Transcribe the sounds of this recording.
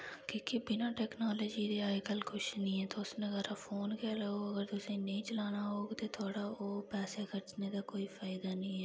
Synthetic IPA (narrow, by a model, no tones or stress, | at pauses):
kjõːkibɪnaʈɛːknaːlɔːd͡ʒid̪eaːjkəlkʊʃnĩɦɛːt̪oʊsnẽɣɛːɾafoːnkelooɐɡəɾt̪osẽnɐĩt͡ʃlaːnaɦoːɡt̪ot̪ʰoːɽaoːpɛːsekɐɾt͡ʃnekakoːifaːɪd̪anɦĩɦɛː